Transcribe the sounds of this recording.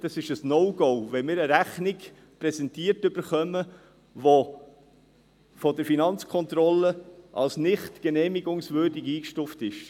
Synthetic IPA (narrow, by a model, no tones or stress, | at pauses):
d̥ɑsɪʃəsnoʊɡowʋɛmɪːɾəɾæχnɪɡ | pɾɛsɛntiːəɾtʏb̥əɾχœmə | ʋo | fɔdəɾfinɑnt͡skʰɔnt̪ɾɔlːəʔɑ̰lsnɪχtɡ̥ənɛːmiɡʊŋsvøːɾdiɡiːkʃtuftɪʃ